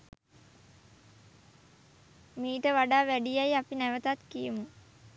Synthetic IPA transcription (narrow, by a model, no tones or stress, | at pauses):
miːʈəʋaɖaːʋæɖijajapinæʋət̪at̪kijəmu